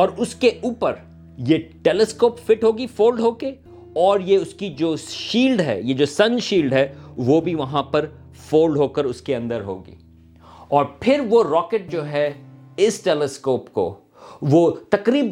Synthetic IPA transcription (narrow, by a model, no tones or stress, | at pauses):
ɔːɾʊskeʔuːpəɾ | jeʈeːlɛskoːpfɪʈɦoːɡifoːlɖɦoːke | ɔːɾjeʊskid͡ʒoːʃiːlɖɦɛ̰ːjed͡ʒoːsɐ̃nʃiːlɖɦɛːʋoːbʱiʋɐɦãpɐɾ | foːlɖɦoːkəɾʊskeɐ̃nd̪əɾɦo̰ːɡḭː | ɔːɾpʰɪɾʋoɾɔːkeʈ̚d͡ʒoːɦɛ | ɪsʈeːlɛskoːpko̰ | ʋoːt̪ɐkɾiːb